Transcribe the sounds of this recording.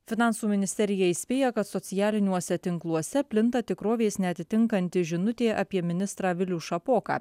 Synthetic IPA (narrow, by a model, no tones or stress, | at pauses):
fʲɪnɑˑnsuːmʲɪnʲɪsʲt̪ʲɛɾʲɪjɛɪsʲpʲeːjɛkɐt̪sɔt̪sʲɪjæːlʲɪnʲuɔsʲɛt̪ʲɪŋklˠuɔsʲɛpʲlʲɪnt̪ɐt̪ʲɪkɾoːʋʲeːsnʲɛɐt̪ʲɪt̪ʲɪŋkɐnʲt̪ʲɪʒʲɪnʊt̪ʲeːʔɑpʲiɛmʲɪnʲɪst̪ɾɑːʋʲɪlʲuːʃɐpoːkɑ̰ː